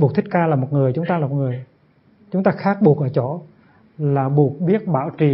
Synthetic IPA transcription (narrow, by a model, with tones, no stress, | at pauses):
u˨˩k̚t̪ʰi̟˦˥kaː˧laː˨˩mo˨˩t̚ŋɨ˨˩əjt͡ɕʊ˨˦ŋ͡mt̪aː˧lːmo˨˩t̚ŋɨ˨˩əj | t͡ɕʊ˨˦ŋ͡mt̪aː˧xaː˦˥k̚ɓu˨˩ək̚ʔəː˧˩t͡ɕɔ˧˩˦ | laː˨˩ɓu˨˩ək̚ɓi˦˥ət̚ɓaː˧˥˨wt͡ɕi˨˩